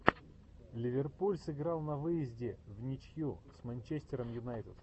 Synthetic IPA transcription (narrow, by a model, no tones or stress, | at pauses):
lʲɪvʲɪrpulʲsɨɡɾɑlˠnɐvɨjɪzʲdʲɪvnʲɪt͡ɕjusmɐnʲt͡ɕesʲtʲɪɾəmjʊnajt̪ɪt̪